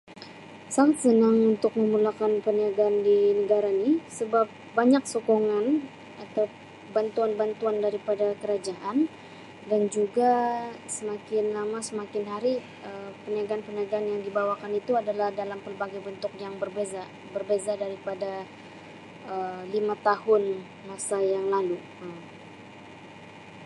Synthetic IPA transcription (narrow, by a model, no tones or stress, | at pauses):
saŋat̪̚sənaŋunt̪ʊk̚məmulakanpəniaɡaːndinəɡaɾanɪsəbap̚baɲak̚sokoŋan | at̪aw | bant̪uanbant̪uandaɾipadakəɾad͡ʒaʔan | dand͡ʒuɡasəmakɪnlamasəmakɪnɦaɾi | əpəniaɡanpəniaɡaanjaŋdibawakanit̪uadalahdalampərbaɡajbənt̪ʊk̚jaŋbərbeza | bərbezadaɾipada | əlimat̪aɦʊn | masajaŋlalu | əm